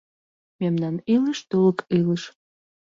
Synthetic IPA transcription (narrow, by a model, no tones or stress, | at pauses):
memnɑniləʃt̪uləkiləʃ